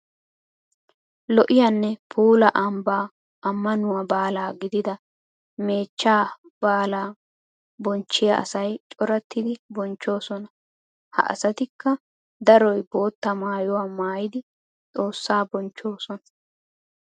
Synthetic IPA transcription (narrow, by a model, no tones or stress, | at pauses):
lɔʔɪjanːɛpʰuːlɐʔɐmbaː | ɐmːɐnʊwabaːlaːɡɪd̪ɪd̪ɐ | me̞ːt͡ʃːaː | b̥aːlaː | bɔnt͡ʃːɪjɐʔɐ̰sɐjt͡ʃʼɔɾɐt̪ːɪd̪ɪbɔnt͡ʃːo̞ːsɔnɐ | hɐ̰ʔɐ̰sɐt̪ɪkːɐ | d̪ɐɾɔjbo̞ːt̪ːɐmaːjɔwamaːjɪd̪ɪ | t͡sʼo̞ːsːaːbɔnt͡ʃːo̞ːsɔnɐ̥